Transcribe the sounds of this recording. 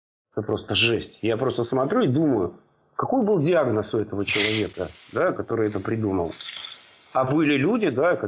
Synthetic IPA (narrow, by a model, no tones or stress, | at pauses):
ɛt̪əpɾo̞st̪əʐɛsʲtʲjapɾo̞st̪əsmɐt̪ɾʲuɪd̪uməjʊ | kɐko̞jbɨlˠdʲɪaɡnəsʊɛt̪əvət͡ɕɪlˠɐvʲekə̰d̪akɐt̪o̞ɾɨɛt̪əpɾʲɪd̪umə̰lˠ | ɐbɨlʲɪlʲudʲɪd̪akɐ